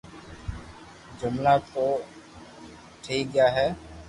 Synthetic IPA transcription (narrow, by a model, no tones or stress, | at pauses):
d͡ʒʊmnaːt̪oː | ʈʰiːk̚ɡjaːɦɛː